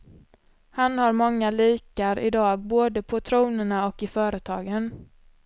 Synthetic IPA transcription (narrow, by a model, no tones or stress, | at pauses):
hanhaɾmɔŋːaliːkaɾʔɪ̰d̪ɑːɡ̚boːd̪əpʰɔt̪ʰɾuːnəɳaɔkɪfœːɾət̪ʰɑːɡən